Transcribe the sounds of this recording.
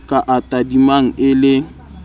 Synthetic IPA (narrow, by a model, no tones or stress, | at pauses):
kʼaʔatʼadimaŋ̩ɪlɪ